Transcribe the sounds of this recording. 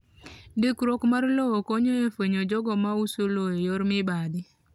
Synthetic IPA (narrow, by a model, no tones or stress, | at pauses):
dɪkɾokmaɾlɔwɔkoɲoefeɲod͡ʒɔɡɔmausolojɔjɔɾmɪbadɪ